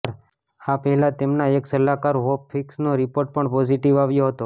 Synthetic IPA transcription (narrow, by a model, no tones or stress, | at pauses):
ɾ | apəɦɛlãt̪emnaeksəlakaɾɦopfʰɪksnoɾipoɾʈ̚pəɳpɔd͡ʒiʈiʋaʋjoɦət̪o